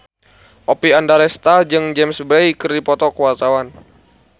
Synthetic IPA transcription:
ʔopiandaɾɛst̪ad͡ʒɨŋd͡ʒɛmsbɾejkɨrdipɔt̪ɔkuwart̪awan

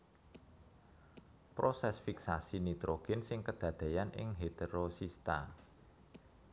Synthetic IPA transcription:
pɾosɛsfiksa̰sinit̪ɾoɡ̥ɪnsɪŋkəd̪̥ä̤d̪̥a̤janʔɪ̰ŋɦet̪eɾosist̪a̰

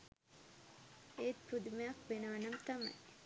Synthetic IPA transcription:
eːt̪pud̪umejakʋenaːnɐmt̪amɐ̰j

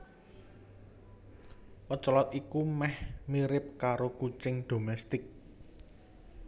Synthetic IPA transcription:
ʔɔt͡ʃɔlɔt̪ikumɛhmiɾɪp̚kaɾokut͡ʃɪŋd̪̥o̤mɛst̪ɪk̚

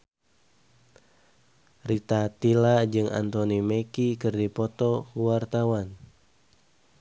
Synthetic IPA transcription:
rit̪at̪ilad͡ʒɨŋa̰nt̪ɔnimɛkikɨrdipɔt̪ɔkuwart̪awan

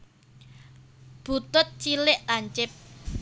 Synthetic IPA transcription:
b̥ṳt̪ʊt̪̚t͡ʃilɪʔtaɲt͡ʃɪp̚

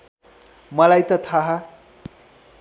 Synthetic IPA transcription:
mʌlajt̪ʌt̪ʰaɦa

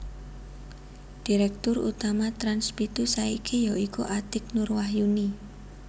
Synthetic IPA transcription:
d̥iɾɛk̚t̪ʊɾṵt̪amat̪ɾanspit̪usaikʰijoikuʔat̪ɪk̚nurwaɦjuni

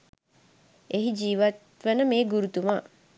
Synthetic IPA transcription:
eɦid͡ʒiːʋat̪ʋənəmeːɡuɾut̪uma

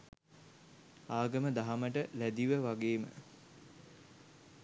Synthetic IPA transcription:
aːɡəməd̪aɦaməʈəlæd̪iʋəʋaɡeːmə̰

